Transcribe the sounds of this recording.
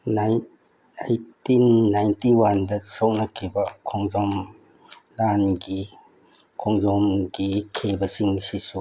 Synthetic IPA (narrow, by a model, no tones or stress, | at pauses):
naj | ajtinːajntiwandɐsok̚nɐkʰibɐkʰɔŋzɔm | lanɡi | kʰɔŋzɔmɡikʰebɐsiŋsisu